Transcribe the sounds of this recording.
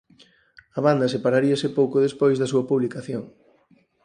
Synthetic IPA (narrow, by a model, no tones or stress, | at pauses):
ɐβ̞and̪ɐsepaɾaɾiɐsɪpowkoðespojzðɐsuɐpuβlikaθjoŋ